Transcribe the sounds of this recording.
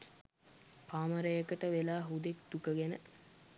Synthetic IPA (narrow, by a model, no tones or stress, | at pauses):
paːməɾəjəkəʈəʋelaːɦud̪ek̚d̪ukəɡenə